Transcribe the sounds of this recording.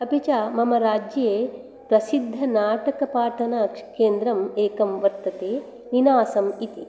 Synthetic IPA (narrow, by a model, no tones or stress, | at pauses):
ɐpit͡ʃaːmɐmɐɾaːd͡ʒjɐeː | pɾɐsid̪ʱːɐnaːʈɐkɐpaːʈʰɐnakʂkeːnd̪ɾɐmeːkɐmʋɐɾt̪ɐt̪eː | ninaːsɐmit̪i